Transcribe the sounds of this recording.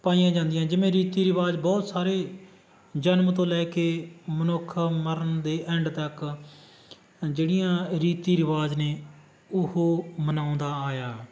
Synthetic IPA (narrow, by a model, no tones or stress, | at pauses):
paːiːãːd͡ʒãːnd̪ɪjãːd͡ʒɪʋẽːɾiːt̪iːɾɪʋaːd͡ʒbɔːt̪saːɾeː | d͡ʒənmt̪õːlɛːkeːmənʊkʰːməɾənd̪eːʔɛ̃ɳɖt̪ək | d͡ʒeːɽɪjãːɾiːt̪iːɾɪʋaːzneː | ʊhoːmənãːʊ̃nd̪aːaːjaː